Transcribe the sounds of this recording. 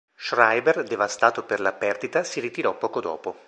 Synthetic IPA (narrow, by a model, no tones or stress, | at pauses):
ʃrajberd̪evast̪aːt̪operlapɛrd̪it̪asirit̪iɾɔpːɔːkod̪ɔ̰ːpo